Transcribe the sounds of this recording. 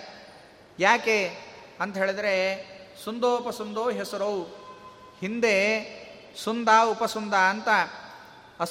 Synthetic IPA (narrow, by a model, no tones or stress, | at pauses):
jaːkeː | ɐnt̪ɐɦeːɭed̪ɐɾesund̪oːupɐsund̪oːɦesɐɾow | hind̪e | sund̪aːupɐsund̪aːɐnt̪ɐ | ɐ